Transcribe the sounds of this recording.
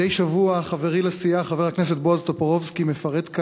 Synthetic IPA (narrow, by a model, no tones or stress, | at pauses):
ejʃavuaχaveʁilasiaχaveʁhaknes̬et̪̚boazt̪opoʁovskimefaʁed̪k